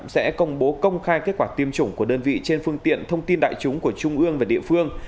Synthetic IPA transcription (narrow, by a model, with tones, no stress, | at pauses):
sɛ̰˧˥kə˧wŋ͡mɓo˨˦kə˧wŋ͡mxaː˧jke˦˥t̚kwaː˧˩t̪i˧əmt͡ɕʊ˧˩ŋ͡mku˧˩əɗəː˧nvḭ˧˨t͡ɕe˧nfɨ˧əŋt̪ḭ˧˨ənt̪ʰə˧wŋ͡mt̪i˧nɗa̰ː˧˨jt͡ɕʊ˨˦ŋ͡mku˧˩ət͡ɕʊ˧ŋ͡mʔɨ˧əŋvaː˨˩ɗḭ˧˨əfɨ˧əŋ